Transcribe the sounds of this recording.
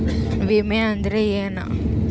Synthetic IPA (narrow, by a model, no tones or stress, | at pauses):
ʋimeɐnd̪ɾejeːna̰